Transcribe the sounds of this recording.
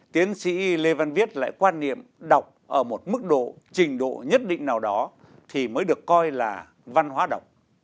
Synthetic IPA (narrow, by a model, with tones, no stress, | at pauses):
t̪i˨˦ənsi˧˦˧le˧va˧nvi˦˥ət̚la̰ː˧˨jkwaː˧nːḭ˧˨əmɗa˨˩wk͡p̚ʔəː˧˩mo˨˩t̚mɨ˦˥k̚ɗo̰˧˨ | t͡ɕï˨˩ŋ̟ɗo̰˧˨ɲə˦˥t̚ɗḭ̈˧˨ŋ̟naː˨˩wɗɔ˨˦ | t̪ʰi˨˩məː˨˦jɗɨ˨˩əkːɔ˧jlaː˨˩ | va˧nɦwaː˨˦ɗə˨˩wk͡p̚